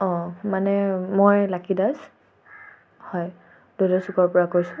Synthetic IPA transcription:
ɔ̃manɛmojlakidas | hɔj | d̥odɔsukɔɹpɔɹakojsʊ

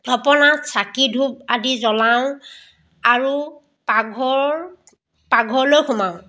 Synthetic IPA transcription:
dʱɔpɔnasakidʱub̚adizɔlaʊ̃ | aɹu | paɡʱɔɹ | paɡʱɔɹlojxumaʊ̃

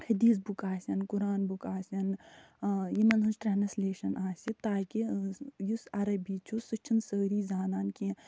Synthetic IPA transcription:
hɐd̪iːs̬bukaːsʲɐnkuɾaːnbukaːsʲɐn | jimɐnɐnsʈɾanɐsleːʃɐnaːsʲit̪aːkijusɐɾɐbiːt͡ʃʰusɨt͡ʃʰinsəːɾiːzaːnaːnkĩ

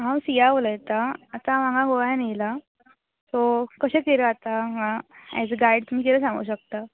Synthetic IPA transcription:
ɦãwsijaʋoləjt̪aːt̪amaɡaɡoɭajnela | sɔkəɕẽkeɾeat̪amãɛ̰d͡zɡajɖt̪um̤iːkeɾəsãŋɡṵːɕək̚t̪a

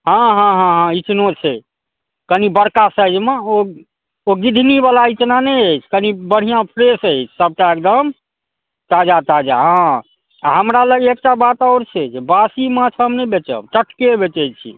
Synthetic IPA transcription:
ɦãɦãɦãɦãit͡ʃnot͡ʃʰɛ | kənibəɾkasəd͡ʒmeo | oɡid̪ʱnibalait͡ʃnanəjəjt͡ʃʰkənibəɽ̤ijãpʰɾesəjt͡ʃʰsəb̚ʈaekd̪əm | t̪ad͡ʒat̪ad͡ʒa̰ɦã | ɦəmɾaləɡek̚ʈabat̪ɔʊɾt͡ʃʰed͡ʒʰbasimãt͡ʃʰəmnɛbet͡ʃə̰bʈəʈkebet͡ʃət͡ʃʰḭ

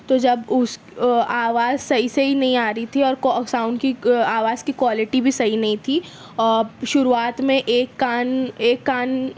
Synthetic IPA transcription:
t̪od͡ʒɐbʊs | aːʋaːzsɐɦisɐɦinɐɦĩaːɾɐit̪ʰiɔːɾksãːʊ̃ɳɖkiaːʋaːz̥kikwaːlɪʈibʱisɐɦinɐɦĩt̪ʰi | ɔːʃʊɾuaːt̪mẽʔeːkːaːneːkːaːn

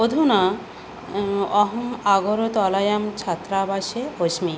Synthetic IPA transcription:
od̪ʱuna | ɔɦɔmaɡoɾot̪ɔlajamt͡ɕʰat̪ːɾabaʃeoʃmi

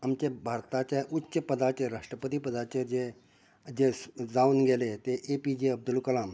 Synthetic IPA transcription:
amt͡ɕebʱaɾt̪at͡ɕaʔutːɕəpəd̪at͡ɕeɾaʂʈɾəpət̪iːpəd̪at͡ɕed͡ʑe | d͡ʑed͡zaunɡelet̪eʔepid͡ʑeəb̚d̪ulkəlam

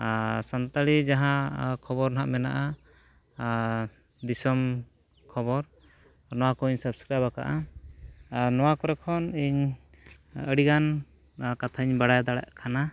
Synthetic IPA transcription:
sant̪aɽid͡ʒaɦãkʰɔbɔɾnaʔmɛnaʔa | d̪isɔm | kʰɔβɔɾ | nɔwakɔiɲsəb̚skɾiaβaka̰ʔa | nɔwakɔɾɛkʰɔniɲ | əɽiɡan | kat̪ʰaiɲbaɽajd̪aɽa̰ʔkʰana

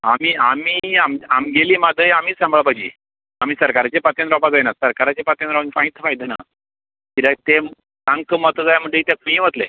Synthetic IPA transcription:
amiːamiːamamɡeliːmad̪əjamiːsãmbɭabad͡ʑḭ | am̤iːsəɾkaɾat͡ɕepat̪jãnɾɔbad͡zəjnasəɾkaɾat͡ɕepat̪jand̪ɾɔʋənfãĩt͡sfajd̪ena̰ | k̪iɾat̪e | sãŋɡk̪əmɔt̪əd͡zajam̤əɳd͡ʑeit̪akuĩʋət̪lḛ

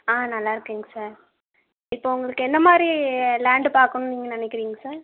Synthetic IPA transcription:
aːnɐlːaːɪɾɯkːiːŋɡɐsaːɾ | ɪpːoːʊŋɡɐɭɯkːɯɛnd̪ɐmaːd̪ɾilaːɳɖɯpaːɾkːɯnniːŋɡɐnɪnɛkːɪɾiːŋɡɐsaːɾ

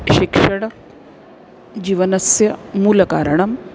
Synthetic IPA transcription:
ʃikʂɐɽ | d͡ʑiːʋɐnɐsjɐmuːlɐkaːɾɐɳɐm

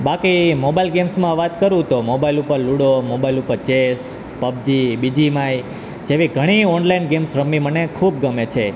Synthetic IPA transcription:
bakimobailɡemsmãʋat̪kəɾũt̪omobailupəɾluɽomobailupəɾt͡ʃes | pəb̚d͡ʒibid͡ʒimai | d͡ʒeʋiɡʱəɽ̃iɔnlainɡemsɾəmːimənekʰub̚ɡəmet͡ʃʰe

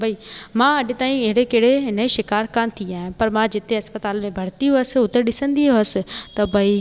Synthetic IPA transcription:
bʱaiːmãːɐɖet̪aːĩɪɦɽekeːɽenɐiʃɪkaːɾkaːnt̪ʰiãːẽpɐɾmãːd͡ʒɪt̪ʰeɐspət̪aːlmẽbʱɐɽ̤t̪iɦoəsʊt̪ːeɗɪsə̃nd̪iɦoəst̪ɐbʱaːi

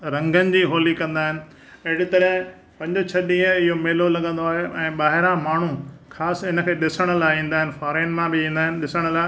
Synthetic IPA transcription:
ɾɐ̃ŋɡənɪ̆d͡ʑiːɦoːlikɐ̃nd̪aːɦɪnɪ̆ | ɐɦɪɽit̪ɐɾɦ | pɐ̃ɲd͡ʑʊt͡ɕʰɐɗĩːə̃ɪɦomeːlolɐɠə̃nd̪oaːɦeʔɛ̃ːɓaːɦɪɾãmaːɳ̤ukʰaːsɪnə̆kʰeːɗɪsəɽ̃əlaːĩːn̆d̪aːɦɪnɪ̆faːɾẽːnmãbɪĩːn̆d̪aːɦɪnɪ̆ɗɪsəɽ̃laː

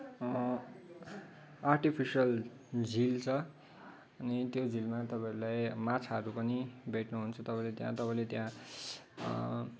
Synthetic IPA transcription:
arʈipʰisʌl | d͡zʱilt͡sʰʌ | ʌnit̪jod͡zilmat̪ʌpãeʌɾulajmat͡sʰaɦʌɾupʌnibʱeʈnuɦunt͡sʰʌt̪ʌpãĩlet̪jãt̪ʌpãĩlet̪jã

